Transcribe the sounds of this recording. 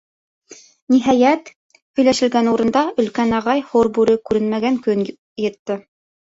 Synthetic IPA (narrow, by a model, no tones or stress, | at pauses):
niɦɑjæt̪ | hɵ̆jlæʃɘ̆lɡænuɾɤ̆nd̪ɑɵ̆lkænɑʁɑjhoɾbʉɾɘkʉɾɘnmæɡæŋkɵn | jɤ̆t̪ːɤ